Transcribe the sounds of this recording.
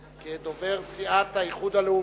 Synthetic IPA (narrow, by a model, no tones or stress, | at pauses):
ked̪ove̞ʁsiat̪haiχud̪aleu